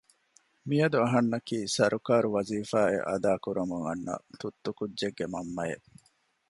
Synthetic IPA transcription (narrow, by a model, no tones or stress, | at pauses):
mijɐd̪uɐɦɐnːɐkiːsɐɾʔukaːɾuʋɐziːfaːḛʔɐ̰d̪aːkuɾumuŋɐnːɐ̰t̪ut̪ːukudːʒeɡːemɐmːɐjḛʔ